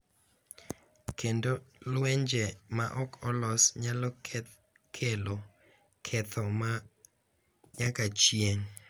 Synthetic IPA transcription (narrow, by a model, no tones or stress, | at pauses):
kʰendolwɛɲd͡ʒemaʔɔkʰɔlɔsɲalɔkʰ | kʰelo | kʰɛt̪ʰɔma | ɲakat͡ʃjeɲ